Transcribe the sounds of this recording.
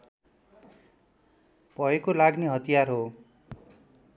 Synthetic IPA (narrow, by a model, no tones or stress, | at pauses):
pʌɦekolaɡneɦʌt̪ijarɦo